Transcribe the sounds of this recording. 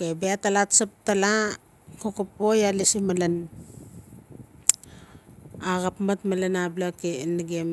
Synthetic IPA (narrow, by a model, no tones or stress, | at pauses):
kebeatalatsap̚tala | kokup̚ojalisimalan | aɣapmatmalanablakeniɡem